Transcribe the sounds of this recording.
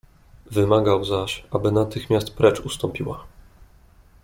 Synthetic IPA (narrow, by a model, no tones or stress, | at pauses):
vɘmaɡawzaɕabɘnat̪ɘxmʲjast̪pɾɛt͡ʂust̪ɔmpʲiwa̰